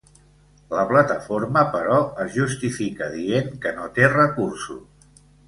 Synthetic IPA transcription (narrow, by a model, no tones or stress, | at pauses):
ləplət̪əfoɾməpəɾɔəzʒust̪ifikəðieŋkənot̪erəkuɾsṵs